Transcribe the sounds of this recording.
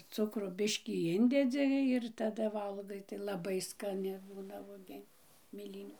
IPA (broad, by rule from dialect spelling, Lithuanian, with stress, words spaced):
ˈt͡sʊkroː ˈbʲɪʃʲkʲiː ˈɪnʲdʲɛd͡zʲɪ ɪr tɐˈdɐ ˈʋɐlˠɡɐɪ tɐɪ lˠɐˈbɐɪ skɐˈnʲɪ ˈbuːnɐ ʋuɔˈɡʲiɛnʲ mʲeːˈlʲiːnʲuː